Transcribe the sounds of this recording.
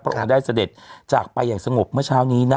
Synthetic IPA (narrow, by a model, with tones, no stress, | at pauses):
pʰɾa˦ʔo̰˧ŋdaː˥˩jsa˧de˨˩t̪̚t͡ɕaː˨˩k̚pa˧jːaː˨˩ŋsa˧ŋo˨˩p̚mɯ˥˩ɐt͡ɕʰaː˦˥wniː˦˥na